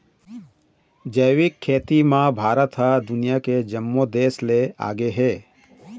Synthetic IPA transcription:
d͡ʒəjʋɪkʰːeːt̪imãbʱaːɾət̪ɦad̪ʊnijaked͡ʒəmːod̪eːslea̰ːɡeɦɛː

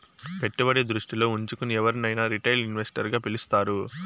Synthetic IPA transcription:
pe̞ʈːubɐɽeːd̪ɾuʂʈilo̞ːuɲt͡ʃukuniɛʋɐɾinɐjnaːɾiʈɐjlinʋesʈɐɾɡaːpilust̪aːɾu

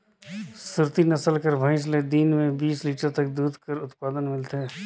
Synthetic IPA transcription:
sʊɾt̪inɐsəlkəɾbʱə̃ɪʃ̬led̪iːnmẽbiːsliːʈəɾt̪ɐk̚d̪uːd̪ʱkəɾʊt̪paːd̪ənmɪlt̪eː

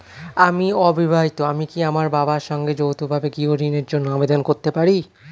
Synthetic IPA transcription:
amiɔbibʱaɦit̪oamikiamaɾbabaɾʃɔŋɡed͡ʑowt̪ʰubʱabeɡioɾineɾd͡ʑonːoabed̪onkoɾt̪epaɾi

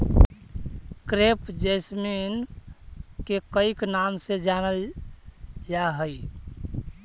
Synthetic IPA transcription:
kɾepd͡ʒəsmin | kekəiknamsed͡ʒanəl | jaɦəj

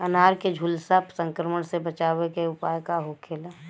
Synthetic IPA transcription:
ənaːɾked͡ʒʱulsapsə̃ŋkɾəməɽ̃sebət͡ʃaːʋekeʊpaːjkaɦokʰeːla

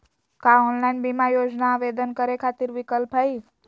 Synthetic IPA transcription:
kaonlainbimajod͡ʒnaːʋed̪ənkəɾekʰat̪iɾʋikəlpɦəi

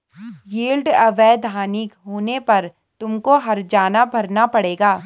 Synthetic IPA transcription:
jiːlɖɐʋɛːd̪ʱaːnɪkɦoːnepɐɾ | t̪ʊmkoɦɐɾd͡ʒaːnabʱɐɾnapɐɽeːɡaː

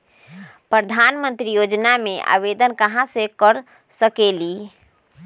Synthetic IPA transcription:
pɾəd̪ʱanmənt̪ɾijod͡ʒnameʔa̰βed̪ənkəɦãsekəɾ | səkeli

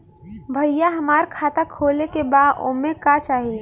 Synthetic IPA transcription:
bʱəjjaɦəmaːɾkʰat̪akʰolekebaːd̪o̰mẽkat͡ʃaːɦie

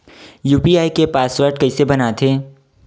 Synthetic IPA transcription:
juːpiaːikepaːsʋəɾɖkɐisebɐnat̪ʰeː

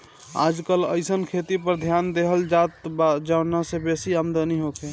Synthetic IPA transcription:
a̰ːd͡ʒkələ̰ɪsənkʰet̪ipəɾd̪ʱjaːnd̪eɦəld͡ʒat̪bd͡ʒanasebesiəmd̪əniɦoke

